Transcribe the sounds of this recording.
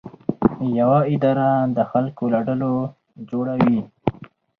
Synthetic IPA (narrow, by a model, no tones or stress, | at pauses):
jawaɪd̪ɑɾad̪əxalkolaɖəlo | d͡ʒoɽawi